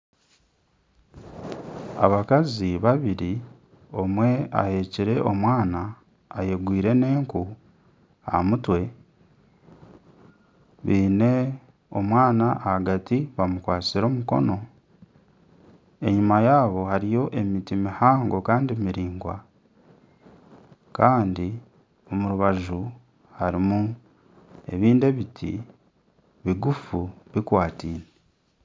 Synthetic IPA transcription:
a̰βakaziβaβiɾi | o̞mwe̞a̰he̞ːciɾe̞ʔomwaːnaː | je̞ɡwiːɾe̞ne̞ːŋku | a̰mutwe̞ | βiːne̞ | o̰mwaːnaʔːhaɡatiβamukwaːt͡siɾo̞ːmuko̞̰no̞ | e̞ɲumajaːβo̞haɾijo̞ʔe̞mitimihaːŋɡo̞kaːndimiɾiːŋɡwa̰ | kaːndi | o̞muɾuβaʒu | haɾimu | e̞̰βiːnde̞βitʰḭ | βiɡufuβikwaːtiːne

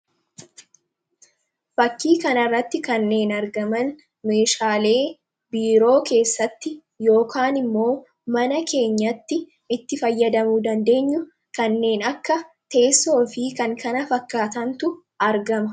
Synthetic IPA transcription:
fɐkːiːkɐnɐrːɐt̪ːɪkɐnːe̞ːnɐɾɡɐmɐn | me̞ːʃaːle̞ː | biːɾo̞ːke̞ːsːɐt̪ːɪ | jo̞ːkʰaːnɪmːo̞ː | mɐnɐke̞ːɲːɐt̪ːɪ | ɪt̪ːɪfɐjːɐd̪ɐmuːd̪ɐnd̪e̞ːɲːʊ | kɐnːe̞ːnɐkːɐ | t̪e̞ːsːo̞ːfɪkɐŋkɐnɐfɐkːaːt̪ɐnt̪ʊ | ɐɾɡɐmɐ

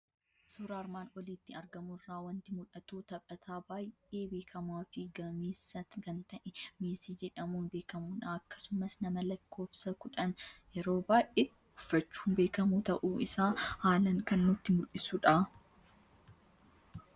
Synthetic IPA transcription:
suːɾaːɾmaːnɔliːt̪ːɪɐɾɡɐmʊrːaːwɐnt̪ɪmʊᶑɐt̪uːt̪ɐpʼɐt̪ʰaːbaːjeːbe̞ːkʰɐmaːfɪɡɐmeːsːɐkɐnt̪ɐʔɛmeːsid͡ʒɛᶑɐmuːnbe̞ːkɐmuːnaɐkːɐ̥sʊmɐsnɐmɐlɐkʰːo̞ːfsɐkʊᶑɐnjɛɾo̞ːbaːjʔe | ɡʊ̥fːɐt͡ʃːu̥ːnbe̞ːkɐmuːt̪ɐʔuːɪsaːhaːlɐŋkɐnːʊt̪ːɪmʊlːɪsuːᶑaː

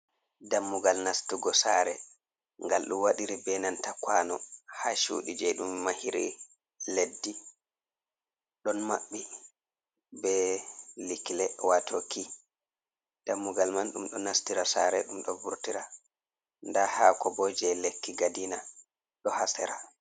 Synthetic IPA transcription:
damːuɡalnastuɡɔsaɾɛ | ŋɡalɗumwaɗiɾibɛnantakwanɔhaʃṵːɗid͡ʒɛɗumːahiɾḭ | ledːi | ɗɔnmaɓːi | bɛliklɛwatʰoki | d̥amːuɡalmanɗumɗɔnastiɾasa̰ːɾɛɗumɗɔbuɾtiɾa | ndahakɔbɔd͡ʒɛlekːiɡadina | ɗɔhasɛɾa

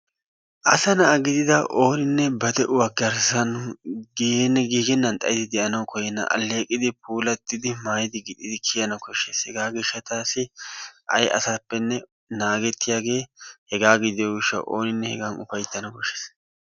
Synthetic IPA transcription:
ʔɐsɐnɐʔɐɡɪd̪ɪd̪ɐʔo̞ːnɪnːɛbɐd̪ɛʔʊwɐɡɐɾsɐnɡnɛɡiːɡɛnːɐnt̪ʼɐjɪt̪ɪd̪ɛʔɐnɐwkɔjɛnːɐ̰ʔɐ̰lːe̞ːkʼɪd̪ɪpuːlɐt̪ːɪd̪ɪmaːjɪd̪ɪɡɪd̪ɪd̪ɪkʰɪjɐnɐkɔʃːeːshɛɡaːɡɪʃːɐt̪aːsɪʔɐ̰jʔɐ̰sapːɛnːɛ | naːɡɛt̪ːɪjaːɡe̞ːhɛɡaːɡɪd̪ɪjɔɡɪʃːɐ̰ʔo̰ːnɪnːɛhɛ̰ɡanʊfɐjt̪ːɐnɐkɔʃːeːs

